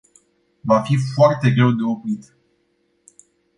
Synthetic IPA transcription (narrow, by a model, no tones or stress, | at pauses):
vafifoart̪e̞ɡɾe̞wd̪e̞o̞pɾit̪